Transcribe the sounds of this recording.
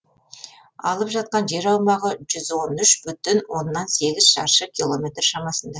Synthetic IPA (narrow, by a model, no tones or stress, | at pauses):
ɑ̰lˠəpʒɑt̪̚qɑnʒe̞ɾɑwmɑʁəʒʏzwo̞nʏʃbʏt̪ɪnwo̞nːɑnse̞ɡʲɪz̥ʃɑ̰ɾʃəkʲʰilˠo̞mʲe̞t̪ɾʃɑmɑsənd̪ɑ